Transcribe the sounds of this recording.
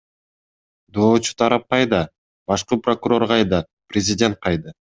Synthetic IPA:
d̪o̞ːt͡ʃʰu̥t̪ʰɑɾɑp̚qɑjd̪ɑ | bɑʃqɯpro̞kuɾo̞ɾʁɑjd̪ɑ | prʲɪzʲɪdʲe̞nt̪̚qɑjd̪ɯ

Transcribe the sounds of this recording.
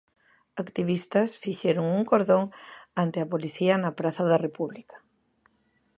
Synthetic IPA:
akt̪iβ̞ist̪ɐsfiʃeɾoŋuŋkoɾðoŋant̪eɐpoliθiɐnɐpɾaθɐðɐrepuβlikḁ

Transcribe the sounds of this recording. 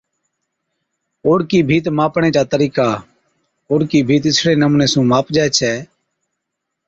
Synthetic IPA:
oːɽkiːbʱiːt̪maːpɳeːt͡ʃaːt̪əɾiːkaː | oːɽkiːbʱiːt̪ɪsɽeːnəmũːneːsũːmaːpd͡ʒaːɛt͡ʃʰɛː

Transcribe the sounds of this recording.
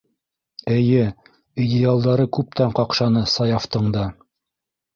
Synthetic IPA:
ɘ̆jɘ | idʲɪalˠd̪ɑɾɤkʉp̚t̪æɴqɑqʃɑnɤsɑjɑft̪ɤɴd̪ɑ

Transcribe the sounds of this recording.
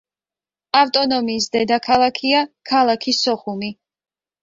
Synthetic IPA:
aft̪ʼɔnɔmiːsd̪ɛd̪akʰalˠakʰiakʰalˠakʰisɔχumi

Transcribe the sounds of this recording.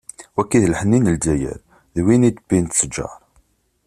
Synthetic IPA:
wækːiðlħənːinəldæjə̰ɾ | ðwinid̪əbint̪səd͡ʒɑ̰ɾˤ

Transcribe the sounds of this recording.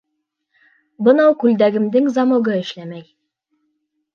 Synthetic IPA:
bɤ̆nɑwkʉld̪æɡɘ̆md̪ɘŋzɑmɤ̆ɡɤɘ̆ʃlæmæj

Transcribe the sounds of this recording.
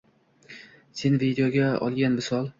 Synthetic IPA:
se̞nvid̪ejoɡʲaɒ̰lˠɡʲanmɪsɒlˠ

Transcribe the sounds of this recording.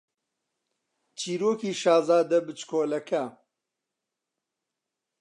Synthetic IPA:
t͡ʃʰiːɾoːkiːʃaːzaːd̪ɐbɨt͡ʃkʰoːlɐkʰɐ

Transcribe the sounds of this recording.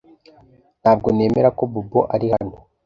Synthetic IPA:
n̥haːbɡo̞ne̞ːme̞ɾako̞buboʔaɾihano

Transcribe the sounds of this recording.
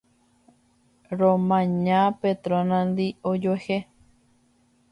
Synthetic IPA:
ɾõmãɲãpet̪ɾonãnd̪iod͡ʒoehe

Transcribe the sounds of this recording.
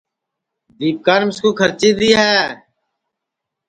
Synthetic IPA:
d̪iːp̚kaːnmɪskuːkʰəɾt͡ʃiːd̪iːɦɛː

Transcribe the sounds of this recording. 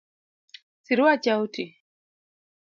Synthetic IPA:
siɾuwat͡ʃauti

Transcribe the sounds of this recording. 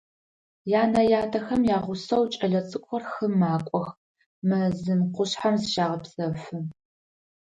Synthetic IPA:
jaːnɐjaːtʰɐxɐmjaːʁʷʊsɐwt͡ʃʼɐɮɐt͡sʼɨkʷʼɔrxɨmaːkʷʼɔx | mɨzɨnqʷʊɕħamzʃaːʁɐpsʼɐfɨ

